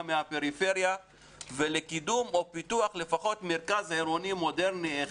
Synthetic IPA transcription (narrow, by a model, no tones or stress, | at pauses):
meapeɾife̞ʁja | velekidumo̞pit̪uaχle̞faχo̞t̪meɾkazhaeɾonimo̞de̞ʁnie